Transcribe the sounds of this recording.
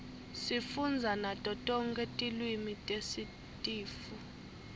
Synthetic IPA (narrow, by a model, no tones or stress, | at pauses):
sifund͡zʱanatʼɔtʼɔŋkʼetʼilwimitʼesi | tʼiːfu